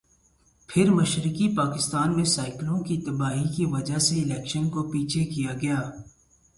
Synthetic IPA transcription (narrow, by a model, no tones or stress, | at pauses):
pʰɪɾmɐʃɾɪkipaːkɪst̪aːnmẽsaːɪklõkit̪ɐbaːɦikiʋɐd͡ʒaɦseɪlɛːkʃənkopiːt͡ʃʰekijaɡɐjaː